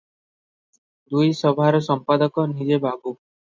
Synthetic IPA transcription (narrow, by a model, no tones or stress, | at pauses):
d̪ujsɔbʱaɾɔsɔmpad̪ɔkɔnid͡ʒebʱaɡu